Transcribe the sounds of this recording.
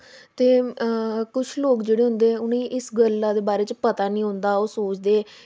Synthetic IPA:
t̪eː | kʊt͡ʃʰloːkd͡ʒeːɽeːɦʊnd̪eːɛːʊnẽːʔɪsɡəlːaːd̪eːbaːɾeːt͡ʃpət̪aːnĩːɦʊ̃nd̪aːoːsoːt͡ʃd̪eː

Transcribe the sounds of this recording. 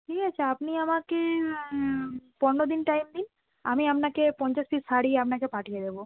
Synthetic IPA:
ʈʰikat͡ɕʰaapniamake | pɔɾnod̪inʈajmd̪in | a̰miapnakepɔnt͡ɕaʃfisaɽieapnakepaʈʰijed̪ebo

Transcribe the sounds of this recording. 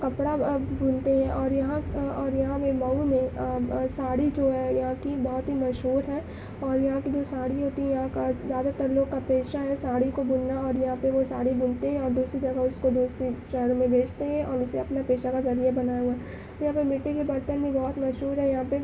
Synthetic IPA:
kɐpɽabʊnt̪eɦɛ̃ʔɔːɾjɐɦãɔːɾjɐɦãpemɐumẽsaːɽid͡ʒoːɦɛjɐɦãkibɔːʊt̪ɦimɐʃɦuːɾɦɛ̃ː | ɔːɾjɐɦãkid͡ʒoːsaːɽiɦoːt̪iɦɛ̃jɐɦãkazjaːd̪at̪ɐɾloːɡ̚kapeːʃaɦɛsaːɽikobʊnnaɔːɾjɐɦãpeʋosaːɽibʊnt̪eɦɛ̃ɔːɾd̪uːsɾid͡ʒɐɡəʊskod̪uːsɾiʃɐɾmẽbeːt͡ʃt̪eɦɛ̃ʔɔːɾʊseɐpnapeːʃakazɐɾijabɐnaːjaɦuaɛ | jɐɦãpemɪʈːikebɐɾt̪əɾmẽbɔːt̪mɐʃɦuːɾɦɛ̃jɐɦãpe

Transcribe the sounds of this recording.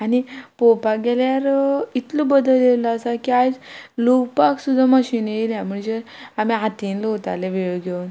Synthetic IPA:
anipopaɡeljaɾit̪lubəd̪əld̪eʋlaasakiad͡zloɡpaksud̪ʱːaməɕiːneiljãm̤əɳd͡zeamiɦat̪inlot̪a̰leʋeɭɡʱewn

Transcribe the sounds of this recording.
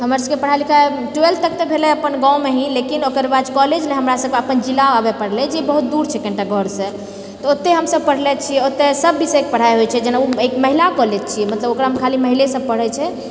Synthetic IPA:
ɦəməɾsəbkepəɽ̤ajlikʰa | ʈuelt̪ək̚t̪ɔbʱelɛəpənɡãwmeɦĩlekinokəɾbad͡ʒkɔled͡ʒleɦəmɾasəb̚keəpənd͡ʒilaabepəɽ̤lɛd͡ʒebəɦut̪̚d̪uɾt͡ʃʰɛkə̃ɳʈaɡʱɔɾsə̃ | t̪ɔot̪ːeɦəmsəb̚pəɽ̤lɛt͡ʃʰijɛot̪ːesəbːisɛkepəɽ̤ajɦojt͡ʃʰɛd͡ʒenauekməɦilakɔled͡ʒt͡ʃʰijɛmət̪ləbokɾaɦmkʰaliməɦilesəb̚pəɽ̤ɛt͡ʃʰɛ

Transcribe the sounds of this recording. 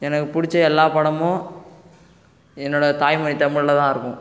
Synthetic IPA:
ɛnɐkːɯpʊɽɪt͡ʃːɐɛlːaːpɐɽɐmõ | ɛnːoːɽɐt̪aːjmɐɳit̪ɐmɪɻlɐt̪ãːɪɾɯkːʊ̃

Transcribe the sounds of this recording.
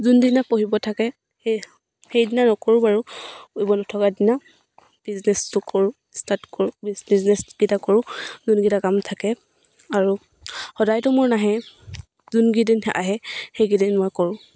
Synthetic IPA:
zundinapoɦibɔtʰakɛ | xejdinanɔkoɹʊbaɹujbɔnɔtʰɔkadina | b̥iznɛstʊkɔɹʊ̃ | statkɔɹʊbizniznɛsɡ̥itakɔɹʊ̃zunɡitakamtʰakɛ | aɹu | hɔdajtɔmʊɹnaɦɛ | zunɡidinhɛʔaɦɛxejɡidinmɔjkɔɹʊ̃

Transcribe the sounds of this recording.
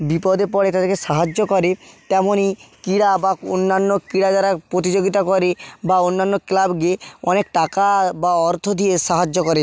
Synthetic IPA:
bipɔd̪epɔɽet̪ad̪eɾkeʃaɦad͡ʒokɔɾet̪ɛmonikiɽabao̰nːanːokiɽad͡ʒaɾapɾot̪̬id͡ʑoɡit̪akɔɾebaonːanːoklabɡeɔnekʈakabaɔɾt̪ʰod̪ʱieʃaɦad͡ʒːokɔɾe

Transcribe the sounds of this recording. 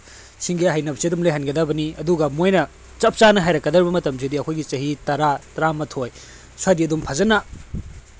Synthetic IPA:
siŋɡiaɦajnɐbɐsiɐdumlejɦɐnɡɐdabɐniɐduɡɐmojnɐ | t͡ʃɐp̚t͡ʃanɐɦajɾɐkːɐdɐɾbɐmɐtɐmsidiɐkʰojɡit͡ʃɐɦitɐɾatɐɾamɐtʰoj | swaɾiɐdumpʰɐzɐna

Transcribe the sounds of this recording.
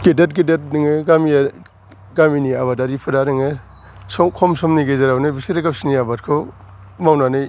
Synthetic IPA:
kedet̚ɡedet̚nɯŋeɡami | ɡaminiaβadaɾipʰɯɾaɾɯŋe | sɔkʰɔmsɔmniɡezeɾawnɯjbisiɾaɡapsiniabatkʰo | mawnanɯj

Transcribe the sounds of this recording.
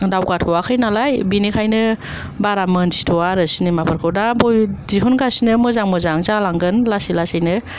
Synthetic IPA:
dawɡatʰɔwakʰɯjnalajbinikʰajnɯ | baɾamɯnsi̥tʰɔwaɾɯsinimapʰɯɾkʰɯwdabɔjdiɦunɡasinɯmɯzaŋmɯzaŋzalaŋɡɯnlasilasɯjnɯ

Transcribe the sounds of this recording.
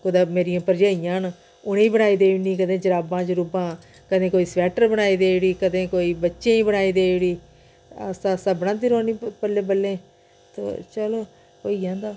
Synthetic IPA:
kʊd̪aːmeːɾijãːpəɾd͡ʒaːijãːn | ʊnẽiːbəɽaːiːd̪eːniːkəd̪ẽːd͡ʒəɾaːbãːt͡ʃɾʊbãː | kəd̪ẽːkoːiːsʋɛːʈəɾbəɽaːiːd̪eːɽiːkəd̪ẽːkoːiːbətːʃẽːĩːbənaːiːd̪eːɽiː | ə̰sãːsaːbəɽãːt̪iːɾoːniːpəlːẽːbəlːẽː | t̪o̰ːt͡ʃəloː | oːiːãːnd̪aː

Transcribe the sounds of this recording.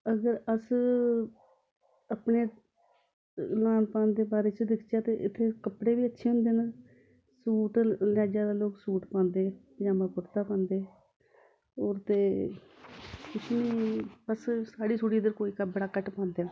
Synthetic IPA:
əɡəɾəs | əpneː | laːnpãːnd̪eːbaːɾeːt͡ʃəd̪ɪkʰd͡ʒaːt̪eːʔɪt̪ʰːeːkəpɽeːbiːətːʃʰeːɦʊ̃nd̪eːna | suːʈlaːd͡ʒaːd̪aːloːksuːʈpãːnd̪eːpd͡ʒaːmãːkʊɾt̪aːpãːnd̪eː | ɔːɾt̪eː | kʊt͡ʃʰniːbəssaːɽiːsuːʈiːd̪əɾkoːiːkəbəɽaːkəʈpãːnd̪jaː

